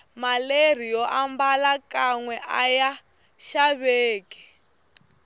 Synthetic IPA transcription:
maler̤ijɔʔambalakaŋwɛʔaja | ʃaβeːki̥

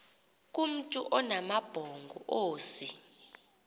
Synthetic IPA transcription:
k̬ʼum̩tʼuʔɔnamab̥ʱɔŋɡʱɔ̰ʔoːsi

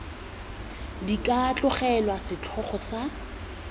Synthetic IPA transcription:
dikʼaːt͡ɬʼʊχɛlwasɪt͡ɬʰɔχɔsa

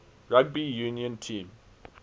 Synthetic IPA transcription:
ɹaɡ̚bijuniɔ̃ntʰĩːm

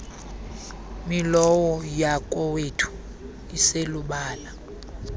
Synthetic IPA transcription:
milɔwɔjakʼɔwetʰu̥ | iseluɓaːla

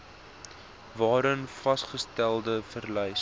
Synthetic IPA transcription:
vɑːɾənfɐsχəstælˠdəfərlɛjs

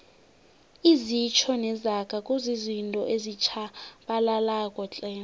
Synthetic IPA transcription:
izit͡ʃʰɔnɛzakʼakʼuzizintʼɔʔezit͡ʃʰaɓalalakʼɔt͡ɬʼɛː

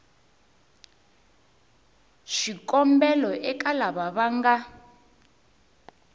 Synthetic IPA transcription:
ʃikʼɔmbɛlɔʔɛkalaβaβaŋɡa

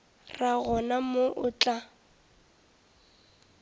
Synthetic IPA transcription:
raɣɔnamoʔʊt͡ɬʼa

